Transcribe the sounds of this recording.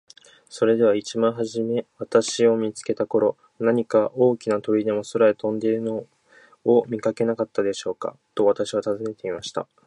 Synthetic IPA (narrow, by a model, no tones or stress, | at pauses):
so̞ɾe̞d̪e̞βait͡ɕimãɰ̃ɦaʑime̞βat̪aɕio̞mʲit͡sɨ̥ke̞t̪ako̞ɾo̞ | naɲ̟ikaʔo̞ːkʲinat̪o̞ɾʲid̪e̞mo̞soɾaet̪õ̞nd̪e̞ɾɯ̟noː | mʲikake̞nakat̪ːad̪e̞ɕo̞ːka̰t̪o̞βat̪aɕiβat̪azɨne̞t̪e̞imaɕi̥t̪a̰